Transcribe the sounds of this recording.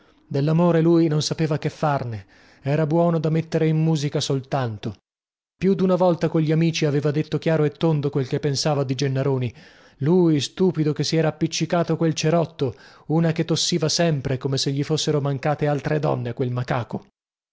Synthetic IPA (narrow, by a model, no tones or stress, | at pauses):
d̪elːamoːɾeluːjnonsapeːvakefːarne | ɛːɾabwɔːnod̪amet̪ːeɾeimmuːzikasolt̪ant̪o | pjud̪unavɔlt̪akoʎːiamiːt͡ʃiaveːvad̪et̪ːokjaːɾoet̪ːond̪okwelkepːensaːvad̪id͡ʒenːaɾoːni | luːjst̪uːpid̪okesːiɛːɾaːpːit͡ʃːikaːt̪okwelt͡ʃeɾɔt̪ːo | uːnaket̪ːosːiːvasɛmpɾekomeseʎːifosːeɾomaŋkaːt̪ealt̪ɾed̪ɔ̰nːekwelmakaːko